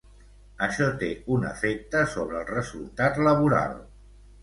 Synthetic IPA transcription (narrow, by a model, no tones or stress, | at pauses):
əʃɔt̪eunə̰fek̚t̪əsoβ̞ɾəːlˠrəzulˠt̪at̪ləβ̞uɾa̰lˠ